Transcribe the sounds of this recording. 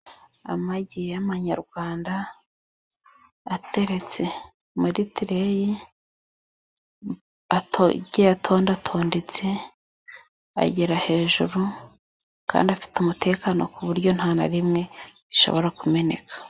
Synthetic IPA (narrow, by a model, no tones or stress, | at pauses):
a̰maɟijamaɲaɾɡwaːnda | te̞ɾe̞t͡se̞ | muɾitiɾeji | atoɟejatʰo̞ːndatʰo̞ːndet͡se̞ | a̰ɟiɾahe̞ːʒuɾu | ka̰ːndiafi̥tumutʰe̞ːkano̞̰kuβuɾɟo̞n̥haːna̰ɾimŋe̞ɾiʃo̞̰βo̞ɾakume̞ne̞̰kʰḁ